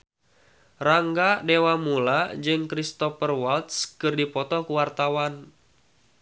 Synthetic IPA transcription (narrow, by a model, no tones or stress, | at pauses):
raŋɡadewamulad͡ʒɨŋkɾist̪ɔfərwalt̪skɨrdipɔt̪ɔkuwart̪awan